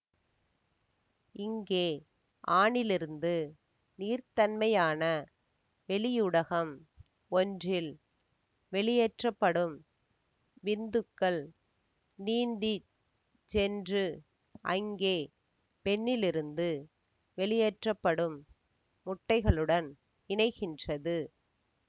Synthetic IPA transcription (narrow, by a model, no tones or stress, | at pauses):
ɪŋɡeː | ʔaːɳɪlɪɾɯnd̪ɯ | niːɾt̪ɐnmɐjaːnɐ | ʋɛɭɪjʊɽɐɣɐm | ɔndrɪl | ʋɛɭɪjɛʈrɐpːɐɽɯm | ʋɪnd̪ɯkːɐɭ | niːnd̪i | t͡ʃɛndrɯ | ʔɐ̰ŋɡeː | pɛɳːɪlɪɾɯnd̪ɯ | ʋɛɭɪjɛʈrɐpːɐɽɯmː | ʊʈːɐɪɣɐɭɯɽɐn | ɪɳɐɪɣɪndrɐðɯ